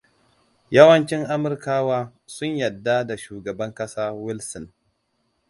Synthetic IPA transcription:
jɐ˦wɐ˦nt͡ʃɪ˦ŋʔa˦mʊ˨rkaː˦waː˦sʊ˦ɲjɐ˨dːa˦da˨ʃuː˨ɡɐ˨bɐ˦ŋkɐ˦saː˦wɪ˦lsɔ˨n

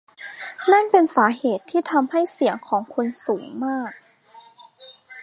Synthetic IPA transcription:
na˥˩npe˧nsaː˩˦ɦeː˨˩t̪ʰːiː˥˩t̪ʰa˧mha˥˩jsi˩˦əŋkʰɔː˩˦ŋkʰu˧nsuː˩˦ŋmaː˥˩k̚

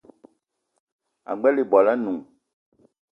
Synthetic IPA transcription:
a̰˨ɡ͡bɛ˦le˨bɔ˨la˦nũ˨

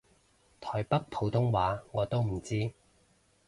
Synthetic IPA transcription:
t̪ʰɔː˨˩jpɐ˥k̚pʰo˨˧wt̪ʰʊ˥ŋwaː˨˥ŋɔː˨˧t̪o˥wm̩˨˩t͡siː˥

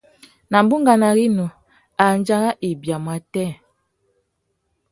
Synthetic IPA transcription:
na˨m˨bu˦ŋɡa˨na˨ɣi˦nɔ˨ | a˨n˦d͡ʒa˦ɣa˦ʔi˨bja˨mwa˨tɛ˦˨

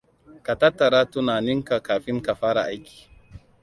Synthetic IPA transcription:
ka˨ta˦tːa˨ɾa˦tu˦naː˨ni˦ŋka˨kaː˨ɸɪ˦ŋka˨ɸaː˦ɾa̰˨ʔa˦jkʲi̥ː˨

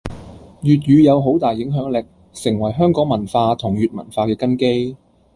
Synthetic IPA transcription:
jyː˨t̬̚jyː˨˧jɐ˨˧wɦo˨˥wt̪aː˨jɪ˨˥ŋɦœː˨˥ŋlɪ˨k̚ | sɪ˨˩ŋwɐ˨˩jɦœː˥ŋkɔː˨˥ŋmɐ˨˩nfaː˧t̪ʰʊ˨˩ŋjyː˨t̚mɐ̰˨˩nfaː˧kɛː˧kɐ˥nke˥j

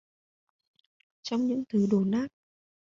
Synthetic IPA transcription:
t͡ɕɔ˧wŋ͡mɲɨ̰˧˥ŋt̪ʰɨ˨˩˦ɗo˨˩naː˦˥t̚

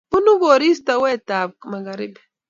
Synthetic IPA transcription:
pu˦nu˦ɡo˨ɾi˦sta˨wɛ˦˨ta˨b̚kma˨ɡa˨ɾi˦b

